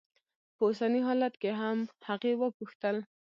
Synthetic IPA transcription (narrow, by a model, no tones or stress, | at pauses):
pəusaniɦɑlat̪keɦamhaqewəpuxt̪əl